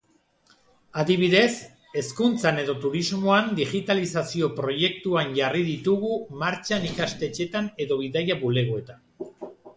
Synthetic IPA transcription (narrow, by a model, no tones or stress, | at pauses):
aðiβ̞iðe̞s | e̞skunt͡sane̞ðo̞t̪uɾizmo̞and̪iɣit̪alisasio̞pɾo̞je̞k̚t̪uanʝariðit̪uɣumaɾt͡ʃanikast̪e̞t͡ʃe̞t̪ane̞ðo̞βiðajaβule̞ɣo̞e̞t̪an